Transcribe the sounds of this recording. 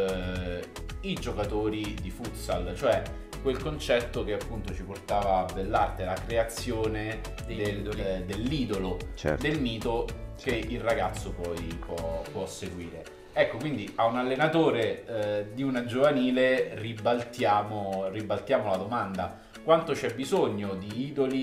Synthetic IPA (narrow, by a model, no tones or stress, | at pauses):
id͡ʒokat̪oːɾid̪ifut̪salt͡ʃoɛ | kwelkont͡ʃɛt̪ːokeapːunt̪ot͡ʃiport̪aːvaːbelːart̪elakɾeat̪sːjoːne | d̪eld̪elːiːd̪olot͡ʃd̪elmiːt̪okeilraɡat̪sːopɔjpwɔpwɔsːeɡwiːɾe | ɛkːokwind̪iʔaunalːenat̪oːɾed̪iunad͡ʒovaniːleribalt̪jaːmoribalt̪jaːmolad̪omand̪a | kwant̪ot͡ʃɛbːizoɲːod̪iiːd̪oli